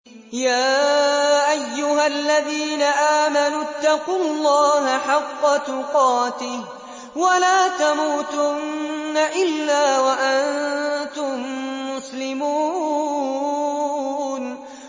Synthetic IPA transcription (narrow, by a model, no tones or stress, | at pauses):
jaː | ʔajːʊɦalːaðiːnaʔaːmanʊt̪ːɑqulˤːɑːɦaħɑqːɑt̪ʊqɑːt̪ɪh | walaːt̪amuːt̪ʊnːaʔɪlːaːwaʔant̪ʊmːʊslɪmuː | n